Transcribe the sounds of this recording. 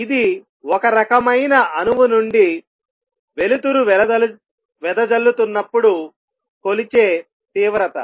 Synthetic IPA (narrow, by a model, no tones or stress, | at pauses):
id̪i | wɔkɐɾɐkɐmɐjnɐɐnuʋunuɳɖi | ʋe̞lut̪uɾuʋɛɐɐ | ʋɛd̪ɐd͡ʒɐlːut̪unːɐpːuɽu | ko̞lit͡ʃeː | t̪iːʋɾɐt̪ɐ̰